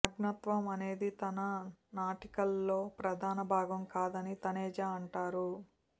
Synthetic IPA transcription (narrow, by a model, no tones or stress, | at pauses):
ɐɡnɐt̪ʋɐmɐne̞ːd̪it̪ɐnɐnaːʈikɐlːo̞ːpɾɐd̪ʱaːnɐbʱaːɡɐmkaːd̪ɐnit̪ɐnɛːd͡ʒaɐɳʈaːɾu